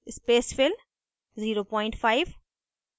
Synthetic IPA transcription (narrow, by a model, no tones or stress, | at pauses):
ɪspeːsfɪl | ziːɾopɔ̃ːɪ̃ɳʈfaɪʋ